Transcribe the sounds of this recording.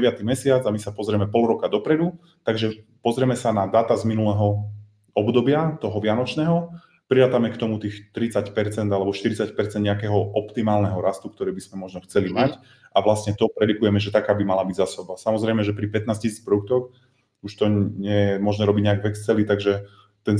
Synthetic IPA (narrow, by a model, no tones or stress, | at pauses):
ɛʋɪat̪imɛsɪad͡zamisapɔzɾɛmɛpɔlɾɔkad̪ɔpɾɛd̪u | t̪aɡʒɛ | pɔzɾɛmɛsanad̪aːt̪azminulɛɦɔ | ɔbd̪ɔbɪat̪ɔɦɔʋɪanɔt͡ʃnɛːɦɔ | pɾiɾaːt̪amɛkt̪ɔmut̪iːxt̪ɾit͡sacpɛɾt͡sɛnd̪alɛbɔʃt̪iɾit͡sacpɛɾt͡sɛnd̪ɲɛakɛɦɔʔɔpt̪imaːlnɛɦɔɾast̪ukt̪ɔɾɛːbiz̥mɛmɔʒnɔxt͡sɛlimac | ʔaʋlasɲɛt̪ɔpɾɛɾikujɛmɛʒɛt̪akaːbimalabiɟzasɔbasamɔzɾɛjmɛʒɛpɾipɛt̪naːscisiːt͡spɾɔd̪uk̚t̪ɔx | uʃt̪ɔɲɛjɛmʊɔʒnɛɾɔbiɟɲɛaɡvɛkst͡sɛlit̪aɡʒɛ | t̪ɛn